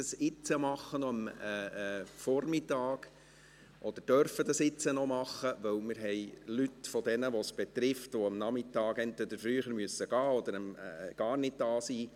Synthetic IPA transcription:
əsɪt͡səmɑχːənɔəmː | fɔɾmɪtːɑːɡ̥ | ʔɔd̥̪əɾd̥œɾfədɑsɪt͡sənɔmɑχːəʋœwmɪɾɦɛɪlytfɔd̪ɛnəʋɔsb̥et̪ɾɪftʋoəmnɑmɪtɑːɡɛntʋɛd̪əɾfɾyːχəɾmyəsəɡ̥ɑːɔd̪əɾəmɡ̥ɑːrnɪd̚d̥ɑːsiː

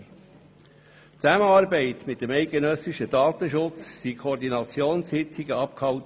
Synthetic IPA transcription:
t͡sæməɑːɾbɛɪtmɪt̚d̥əmɛɪt̚ɡ̥enœsɪʃədɑːt̪əʃʊt͡ssikʰoːɾd̪inɑt͡sjoːnshɪt͡siɡəɑp̚khɑwt

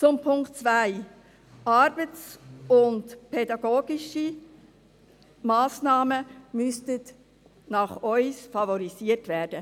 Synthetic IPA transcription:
t͡sʊmpʰʊŋkt͡svæɪ | ʔɑɾb̥ət͡sʊntpʰɛdɑɡoːɡ̥iʃi | mɑːsnɑːməmystət | nɑχœʏsfɑvɔɾisiətvæːɾd̥ə

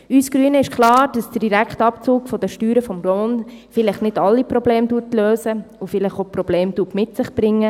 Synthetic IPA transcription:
yːsɡ̥ɾyənəɪʃkʰlɑːɾd̥ɑsd̥ədiɾækχtɑpt͡suːkfɔd̥̪əʃtyːɾəfɔmrɔnfɪlɪχnɪdɑlːipɾɔbleːmduːtløːsəufɪlɪχopɾɔb̥leːmd̥uːtmɪtsɪχb̥ɾɪŋːə

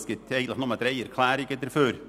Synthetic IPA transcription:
skət̪eɪɡnɪnɔməd̪ɾæɪəɾkʰlæːɾɪkːɛd̪əɾføːɾ

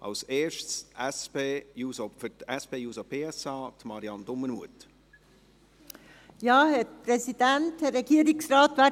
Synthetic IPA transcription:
ʔɑ̰lseːɾʃtsʔɛspeːjuːsɔfətɛspeːjuːsɔpʰeːɛsɑːt̪mɑɾiɑnd̥̪ʊmənmuət | jɑːhɛɾpʰɾɛsid̥̪ɛnt̪hɛɾːɛɡiːɾɪŋsɾɑːt̪ʋæ

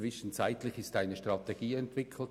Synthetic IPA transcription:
vɪʃən̩t͡saɪt̪lɪçɪstaɪnəʃtrɑteɡ̥iːɛntv̥ɪkʰl̩t

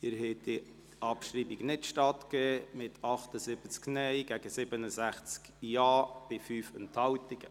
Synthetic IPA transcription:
ɪɾhɛtdi | ʔɑpʃɾiːbɪɡnɪtʃtɑtkɛːmɪtʰɑχtəsɪb̥ət͡sknɛɪɡ̥æɡ̥əsɪbənəsæχt͡sk | jɑːb̥ɪfyːfənthɑwtɪɡ̥ə

